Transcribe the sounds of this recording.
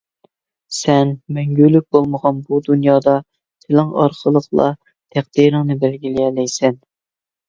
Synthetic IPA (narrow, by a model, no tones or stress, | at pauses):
sɛnmɛŋɡʲylːyk̚ʲbolˠməʁɑnbud̪unjɑːd̪ɑ | t̪ʰɪlɪŋɑ̰ɾqʰəlˠəqlˠɑ̰ | t̪ʰæχd̪̥iɾɪŋnɨbɛlɡʲilijɛlɛjsɛn